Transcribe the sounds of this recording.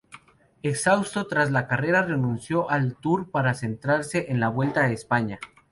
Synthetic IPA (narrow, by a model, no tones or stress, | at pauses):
e̞ksawst̪o̞t̪ɾazlakare̞ɾare̞nũnsjo̞ʔalt̪uɾpaɾase̞nt̪ɾaɾse̞ʔenlaβwe̞lt̪aespaɲa